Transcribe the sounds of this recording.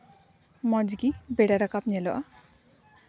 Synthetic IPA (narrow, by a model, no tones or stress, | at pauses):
mɔd͡ʒɡibeɽaɾakapɲɛlɔʔa